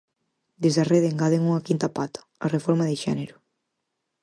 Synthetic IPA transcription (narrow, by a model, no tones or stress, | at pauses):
d̪ezðareðeŋɡaðeŋuŋɐkint̪ɐpat̪ɐ̥ɐrefɔɾmɐðɪʃɛneɾʊ